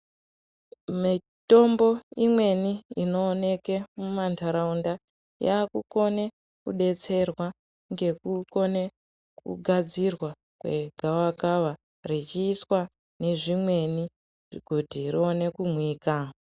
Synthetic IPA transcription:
mi | to̞mbo̞imwe̞niino̞ːne̞ke̞mumantʰaɾaunda | jaːkuko̞ne | kuɗe̞t͡se̞rwa | ŋɡe̞kuko̞ne | kṵɡʱad͡zirwa | kwe̞ɡʱawakawa | rit͡ʃiːswa | ne̞ʐimwe̞ni | ʐ̥iɡʱotirio̞ne̞kumwiːka

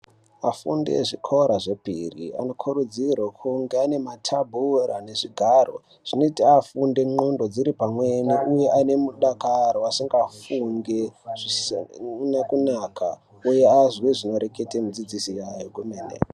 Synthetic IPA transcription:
afṵndḛʐikʰoɾaʐe̞pirḭa̰no̞kʰuɾud͡zirwakʰuŋɡeane̞matʰabʱurane̞ʐiɡʱaro̞̰ | ʐ̥inotiafunde̞ŋ͡ǃondo̞d͡ziɾipamweniʔuje̞ʔane̞muɗakaɾoasiŋɡafuŋɡeʐi | nekunakʰa̰ | ujeazweʐino̞ɾe̞ketemud͡zid͡zisijajoɡumeːnḛ

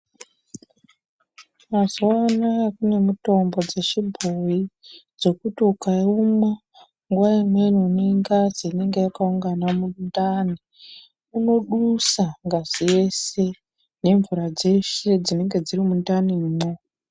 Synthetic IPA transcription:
mazowanakune̞muto̞mbo̞d͡ze̞t͡ʃibʱoji | d͡zo̞kutiukaumwa | ŋɡuwaimwe̞niuneiŋɡaziːne̞ŋɡe̞jakauŋɡanamundani | uno̞ɗusaŋɡazije̞se̞ | ne̞ɱvuɾad͡ze̞ʃe̞d͡zine̞ŋɡe̞d͡zirimundaniːmo

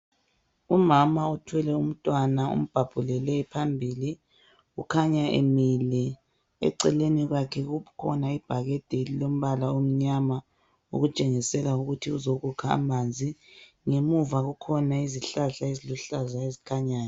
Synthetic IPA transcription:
umamautʰwɛlɛum̩tʼwanaṵm̩b̥ʱab̥ʱulɛlɛpʰambʱiːli | ukʰaɲaʔḛmilɛ | ɛ̰ǀɛleniɣakʰɛɣukʰɔ̰naib̥ʱaɣɛd̥ʱelilom̩βalaom̩ɲama | ṵɣut͡ʃʼeŋisɛlauɣutʰiuzoɣukʰa̰ːmand͡zʱi | ŋemuvaɣukʰɔnaiziɬaɬaiziluɬazaezikʰaɲaːnɔ

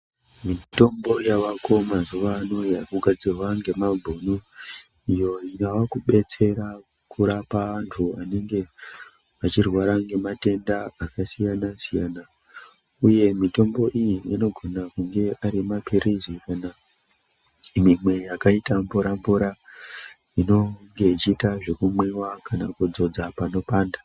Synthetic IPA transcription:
mito̞mbo̞jaʋako̞mazuʋaːno̞jakuɡʱad͡zirwaŋɡe̞mabʱonu | ijo̞inawakuɓe̞t͡se̞ɾa | kuɾapaʋantʰuane̞ŋɡe̞ | ʋat͡ʃirwaɾaŋɡe̞mate̞ndaːkasijanasijana | uje̞mito̞mbo̞ʔijiino̞ɡʱo̞nakuŋɡe̞ʔaɾimapiɾizikana | mimwe̞jakaitaɱvuɾaɱvuɾa | ino̞ŋɡe̞it͡ʃiːtaʐe̞kumwewakanakud͡zo̞d͡zapano̞paːnda

